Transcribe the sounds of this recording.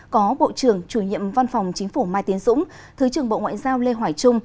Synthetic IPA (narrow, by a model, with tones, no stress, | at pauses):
kɔ˨˦ɓo̰˧˨t͡ɕɨ˧˩əŋt͡ɕu˧˩ɲḭ˧˨əmva˧nfa˨˩wŋ͡mt͡ɕï˨˦ŋ̟fu˧˩maː˧˩jt̪i˨˦ənzʊ̰˧˥ŋ͡m | t̪ʰɨ˨˦t͡ɕɨ˧˩əŋɓo̰˧˨ŋwa̰ː˧˨jzaː˧wle˧ɦwaː˧˩jt͡ɕʊ˧ŋ͡m